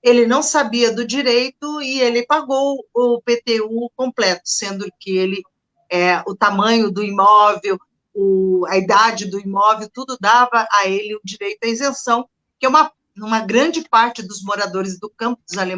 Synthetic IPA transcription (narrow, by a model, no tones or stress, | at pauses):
elɪnɐ̃w̃sabiɐd̪ʊd͡ʒiɾejt̪ʊɪelɪpaɡowʊpet̪eukõmplɛt̪ʊ̥sẽnd̪ʊkɪelɪ | ɛʊt̪amɐ̃ɲʊd̪ʊimɔvew | ʊɐid̪ad͡ʒɪd̪ʊimɔvewt̪ud̪ʊd̪avɐʔaelɪʊd͡ʒiɾejt̪ʊɐezẽsɐ̃w̃ | kɪɛũmɐ | ũmɐɡɾɐ̃d͡ʒɪpaɾt͡ʃɪd̪ʊzmoɾad̪oɾɪzd̪ʊkɐ̃mpʊd̪ʊzale